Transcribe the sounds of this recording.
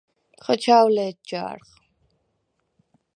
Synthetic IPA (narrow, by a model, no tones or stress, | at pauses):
χɔt͡ʃʰaːwlɛːt̪̚d͡ʒa̰ːɾχ